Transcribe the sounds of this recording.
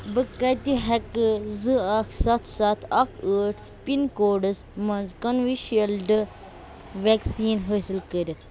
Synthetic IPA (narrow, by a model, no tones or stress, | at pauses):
bɨkɐt̪iɦɐkzɨɐkʰsɐt̪ʰsɐt̪ʰɐkʰəːʈʰ | pinkoːɖɨsmɐnzkɐnʋiʃiɐlɖɨ | ʋeksiːnɦəːsilkəɾʲit̪ʰ